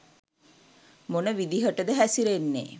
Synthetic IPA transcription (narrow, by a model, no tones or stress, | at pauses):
monəʋid̪iɦəʈəd̪əɦæsiɾenːḛ